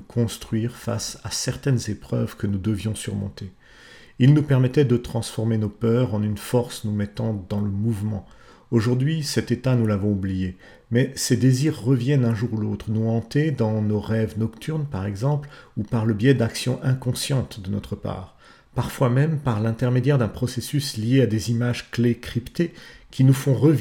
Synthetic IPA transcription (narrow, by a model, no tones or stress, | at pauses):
kʰɔ̃st̪χɥiʁfa̰sasɛʁt̪ɛnzepχœ̰vkənud̪əvjɔ̃syʁmɔ̃t̪e | ilnupɛʁmɛt̪ɛd̪ət̪χɑ̃sfɔʁmenopœʁɑ̃nynfɔʁsnumɛt̪ɑ̃d̪ɑ̃ləmuvmɑ̃ | oʒuʁd̪ɥisɛt̪et̪anulavɔ̃ublije | mɛsed̪eziʁːəvjɛnɛ̃ʒuʁulot̪χnuɑ̃t̪ed̪ɑ̃noʁɛvnɔkt̪yʁnpaʁɛɡzɑ̃plupaʁləbjɛd̪aksjɔ̰̃ʔɛ̃kɔ̃sjɑ̃t̪d̪ənɔ̰t̪χəpa̰ːʁ | paʁfwamɛmpaʁlɛ̃t̪ɛʁmed̪jɛʁd̪ɛ̃pχɔsesyslijead̪ezimaʒklekχipt̪ekʲʰinufɔ̃ʁəv